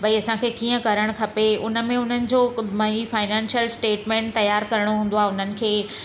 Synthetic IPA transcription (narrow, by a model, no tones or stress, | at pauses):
bʱɐiɐsãkʰeːkiːə̃kɐɾəɽ̃kʰɐpeʊnə̆mẽʊn̤ənɪ̆d͡ʑoːmɐifaːɪnɛ̃ːnʃijəlsʈeːʈmẽːɳʈ̚t̪ɐjaːɾkɐɾəɽ̃oɦũːn̆d̪oaɦʊn̤ənɪ̆kʰeː